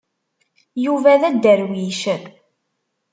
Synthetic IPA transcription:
juvæðæd̪ːəɾwiʃə

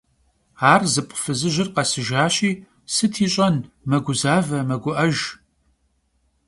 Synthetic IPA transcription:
aːrzɨpʷʼʊ̥fɨzɨʒɪrqɐsɨʒaːɕiː | sɨtʰiːɕʼɐn | mɐɡʷʊzaːvɐmɐɡʷʊʔɐʒ

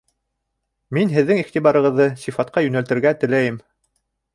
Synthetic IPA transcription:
minɦɘ̆ðːɘŋiχt̪iβɑɾɤ̆ʁɤ̆ðːɤsifɑt̪̚qɑjʉnælt̪ɘ̆ɾɡæt̪ɘ̆læjɘm

